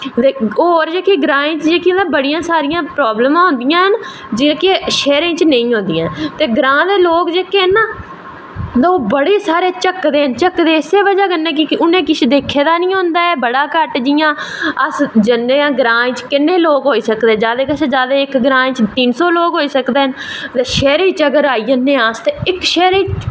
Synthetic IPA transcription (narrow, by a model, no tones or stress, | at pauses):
d̪eoːɾd͡ʒeːkeːɡɾãːɪ̃ːt͡ʃd͡ʒeːkĩd̪ãːbəɽijãːsaːɾɪjãːpɾɔːbləmãːɦʊ̃nd̪ɪjãːɦən | d͡ʒɪkeʃeːɾẽːt͡ʃnəĩːɦõnd̪ijãːt̪eːɡɾãːd̪eːloːkd͡ʒeːkeːnaː | d̪aoːbəɽeːsaːɾeːt͡ʃəkːd̪eːɦənt͡ʃəkːd̪eːɪseːʋəd͡ʒaːkənːeːkɪkɪʔʊnẽːkɪʃʰd̪eːkʰeːd̪aːnĩːɦõnd̪aːɛːbəɽaːkəʈd͡ʒɪjãːəsd͡ʒənːeːãːɡɾãːẽːt͡ʃkɪnːẽːloːkɦoːiːsəkd̪eːd͡ʒaːd̪eːkɪt͡ʃʰːd͡ʒaːd̪eːɪkɡɾãːẽːt͡ʃt̪ɪnsoːloːkɦoːiːsəkd̪eːɦənd̪eːʃɛːɾiːt͡ʃəɡəɾaːiːənːẽːaːst̪eːɪkʃɛːɾẽː